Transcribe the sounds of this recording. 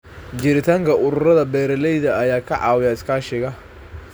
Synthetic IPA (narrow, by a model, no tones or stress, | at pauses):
d͡ʒɪɾɪt̪ʰaːŋkʰɐʔʊɾʊrɐðɐbɛːɾɛlɛjðɐɐjaːkʰɐʕɑ̰ːwɪjaːɪskʰaːʃɪɣɐ